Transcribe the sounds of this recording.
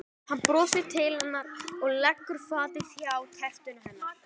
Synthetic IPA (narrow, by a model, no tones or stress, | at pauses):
hanːpɾɔːsɪ̥t̪ʰɪlhɛnːaɾɔɣlɛkːʏɾ̥faːt̪ɪθjawc̪ʰɛht̪ʏnʏɦɛnːḁ